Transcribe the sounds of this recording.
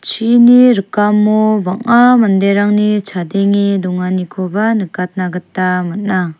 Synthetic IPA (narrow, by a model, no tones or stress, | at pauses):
t͡ʃʰiniɾɯkamːobaŋamɐndeɾaŋnit͡ʃʰadeŋiduŋanikʰobanɯkat̚naɡɐtːamɐt̚na